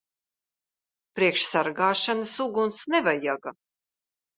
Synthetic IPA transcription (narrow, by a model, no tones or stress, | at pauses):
pɾiɛkʃsaɾɡaːʃanasuɡunsnɛvajaɡa